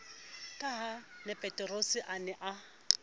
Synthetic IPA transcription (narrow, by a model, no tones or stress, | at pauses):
kʼaɦanɛpʼɛtʼɛrosɪʔanɛʔa